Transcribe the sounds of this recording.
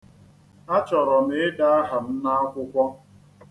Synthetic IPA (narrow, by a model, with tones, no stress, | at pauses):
a˦t͡ʃɔ˨ɾɔ˨mɪ˨˦ɪ˦da˦a˦ɦa˨m̩˦na˦a˦kʷʊ˦kʷɔ˦